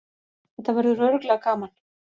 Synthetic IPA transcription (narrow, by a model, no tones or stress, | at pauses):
θɛht̪ːavɛɾðʏrœɾklɛɣkaːman